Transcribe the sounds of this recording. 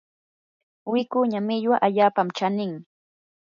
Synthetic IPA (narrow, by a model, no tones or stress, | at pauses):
wɪkʊɲamɪʎwaʔaʎaːpamt͡ʃanɪŋ